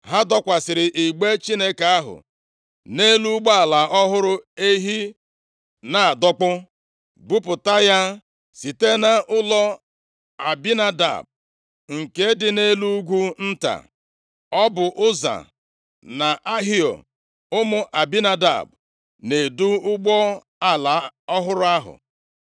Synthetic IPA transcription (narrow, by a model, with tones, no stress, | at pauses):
ɦa˦dɔ˦kʷa˨sɪ˨ɾɪ˨ʔi˨ɡ͡be˦t͡ʃi˦ne˦ka˨a˦ɦʊ̰˨ | ne˦lu˦ɡ͡ba˦a˨la˨ɔ˦ɦʊ˦ɾʊ˦e˦ɦi˦ | na˨dɔ˦k͡pʊ˦ | bʊ˦pʊ˨ta˦ja˦ | si˨te˦na˦ʔʊ˦lɔ˦ | a˨bi˦na˦da̰˨b̚ | ŋ̩˨ke˦dɪ˨ne˦lu˦ɡʷu˦n̩˦ta̰˨ | ɔ˦bʊ˨ʔʊ˦za̰˨ | na˨ʔa˦ɦi˦ɔ̰˨ | ʊ˦mʊ˦ʔa˨bi˦na˦da̰˨b | ne˨du˦ʊ˦ɡ͡bɔ˦ | a˦la˨˦ɔ˦ɦʊ˦ɾʊ˦a˦ɦʊ̰˨